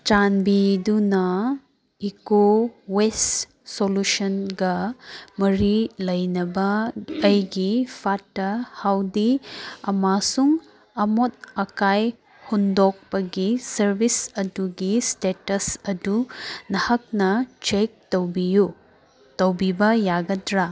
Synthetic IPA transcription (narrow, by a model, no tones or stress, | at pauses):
t͡ʃanbidunɐ | ikowes | solusɐnɡɐmɐɾilɐjnɐbɐɐjɡipʰatːɐhawdiɐmasuŋ | ɐmot̚ɐkaj | hundɔk̚pɐɡisɐɾbisɐduɡistetɐsɐdunɐhɐk̚nɐt͡ʃek̚towbiju | tɐwbibɐjaɡɐdɾa